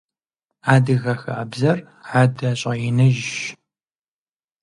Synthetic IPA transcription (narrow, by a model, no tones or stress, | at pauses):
aːdɨɣɐxɐʔɐbzɐr | ħaːdɐɕʼɐjɪnɐʒ